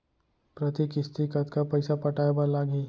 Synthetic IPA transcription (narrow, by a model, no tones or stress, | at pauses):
pɾət̪ikɪst̪ikət̪kapɐɪsapɐʈaːebalaːɡiː